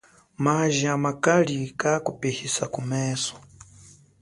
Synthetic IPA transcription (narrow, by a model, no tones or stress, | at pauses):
maʒiamakalikakupehisakumɛːsɔ̥